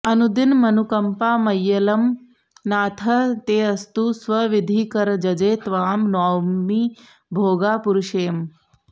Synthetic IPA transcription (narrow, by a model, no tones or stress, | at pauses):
ɐnud̪inmɐnukɐmpaːmɐjːɐlɐm | naːt̪ʰɐt̪eːɐst̪usʋɐʋid̪ʱiːkɐɾd͡ʒɐd͡ʒeːt̪ʋaːmnaːwmi | bʱoːɡaːpuɾuʃeːm